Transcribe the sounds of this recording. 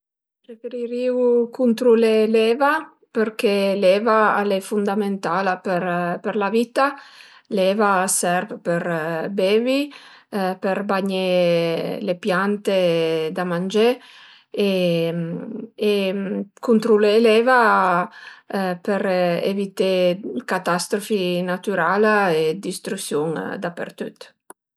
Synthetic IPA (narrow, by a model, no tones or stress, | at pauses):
pɾefeɾiɾiwukunt̪ɾulelɛva | peɾkelɛvaalɛfund̪ament̪alapeɾpeɾlavit̪a | lɛvasɛɾvpeɾbeːvi | peɾbaɲe | lepjant̪ed̪amand͡ʒe | e | ekunt̪ɾuleleva | peɾḛvit̪ekat̪ast̪ɾofinat̪yɾalaed̪ist̪ɾusjuŋd̪apḛɾt̪yt̪